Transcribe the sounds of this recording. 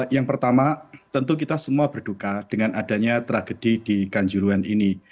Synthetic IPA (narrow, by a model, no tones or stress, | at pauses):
jaŋpərt̪amat̪ənt̪̬uk̬it̪asəmuabərd̥ukad̥əŋanʔadaɲat̪ɾaɡ̥əd̥id̥ikaɲd͡ʒuɾuanʔini